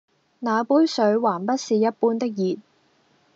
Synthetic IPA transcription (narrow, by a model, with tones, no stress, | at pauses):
naː˨˧puː˨˥jsɵ˨˧˥ɥwaː˨˩npɐ˥t̚siː˨˧jɐ˥t̚puː˥nt̪ɪ˥k̚jiː˨t̚